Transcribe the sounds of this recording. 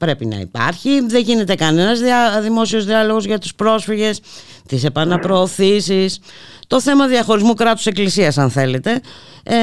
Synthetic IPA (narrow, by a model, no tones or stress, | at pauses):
pɾe̞pinɐ̰ḭpɐ̰ɾçiðeʝine̞t̪e̞kɐne̞nɐzðiɐðimo̞sio̞zðiɐlo̞ɣo̞zʝɐt̪u̥spɾo̞sfiʝe̞s | t̪ise̞pɐnɐpɾo̞ːθisis | t̪o̞θe̞mɐðiɐxo̞ɾizmukɾɐt̪u̥se̞klisiɐsɐnθe̞le̞t̪e̞